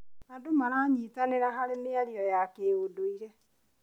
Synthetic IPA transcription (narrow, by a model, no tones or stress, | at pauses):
adomaɾaɲiːtaneɾaɦaɾeneaɾjɔjakeodoiɾɛ